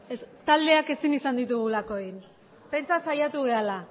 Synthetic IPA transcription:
est̪ald̪e̞ake̞sinisand̪it̪uɣ̞ulako̞ejn | pe̞nt͡sasajat̪uɣe̞ala

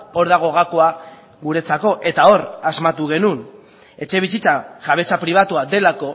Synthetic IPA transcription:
o̞ɾðaɣ̞o̞ɣako̞a | ɣuɾe̞t͡sako̞ʔe̞t̪ao̞ɾazmat̪uɣe̞nun | e̞t͡ʃe̞β̞is̬it͡saʝaβe̞t͡sapɾiβ̞at̪uad̪e̞lako̞

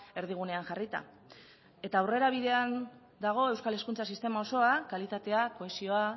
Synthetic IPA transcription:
e̞ɾð̞iɣ̞une̞aŋʝarit̪a̰ | e̞t̪aːwre̞ɾaβ̞iðe̞an | d̪aɣ̞o̞e̞wskale̞skunt͡sasist̪e̞mao̞so̞akalit̪at̪e̞ako̞e̞sio̞a

